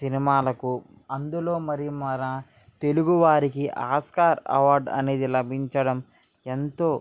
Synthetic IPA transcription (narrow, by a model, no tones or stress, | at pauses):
sinimaːlɐku | ɐnd̪ulo̞ːmɐɾimɐɾa | t̪e̞luɡuʋaːɾikiʔaːskaːɾɐ̰ʋaːɾɖɐ̰neːd̪ilɐbʱiɲt͡ʃɐɽɐm | e̞nt̪o̞ː